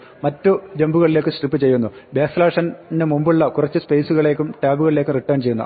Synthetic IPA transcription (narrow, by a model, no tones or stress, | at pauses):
mɐtːud͡ʑembuɣɐɭile̞ːkːɨsʈripːɨt͡ɕe̞jːunːubeːslaːʂɐndemumbuɭːɐkurɐt͡ɕːɨspejsuɣɐɭe̞ːkʲːumʈaːbuɣɐɭile̞ːkːɨriʈːɐːnt͡ɕe̞jːunːṵ